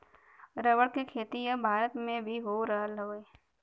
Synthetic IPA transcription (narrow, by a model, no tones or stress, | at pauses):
ɾəʋəɽkekʰeːt̪ijãbʱaːɾət̪mẽbʱiɦoːɾəɦəlɦoːe